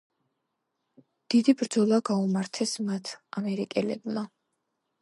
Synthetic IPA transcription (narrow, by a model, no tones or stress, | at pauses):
d̪̥id̪ibɾd̪zɔlˠaɡaumaɾt̪ʰɛsmat̪ʰamɛɾikʼɛlɛbma